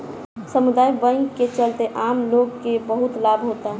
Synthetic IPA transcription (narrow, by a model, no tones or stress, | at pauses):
səmud̪aːibə̃ŋɡket͡ʃəlt̪eʔamloɡkebəɦʊt̪laːbɦot̪aɦ